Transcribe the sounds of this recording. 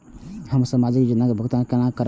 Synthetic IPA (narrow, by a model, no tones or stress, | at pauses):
həmɾsəmad͡ʒikd͡ʒinːakebʱəkt̪ankenakəɾ